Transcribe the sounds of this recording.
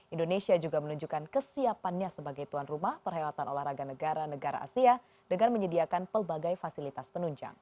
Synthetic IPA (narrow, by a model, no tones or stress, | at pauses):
ʔindonesiad͡ʒuɡamənuɲd͡ʒukankəsiapanɲasəbaɡajt̪uanrumahpərɦajlat̪anʔolahɾaɡanəɡaɾanəɡaɾa̰ʔa̰sia | dəŋanməɲədiakanpərbaɡajfasilit̪aspənuɲd͡ʒa̰ŋ